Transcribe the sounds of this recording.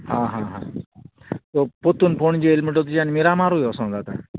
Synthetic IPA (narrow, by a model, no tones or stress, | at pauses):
ɦãɦãɦã̰ | t̪opot̪uːnpoɳd͡ʑeelmeʈot̪ud͡ʑanimiɾamaɾujɔsɔ̃nd̪at̪a̰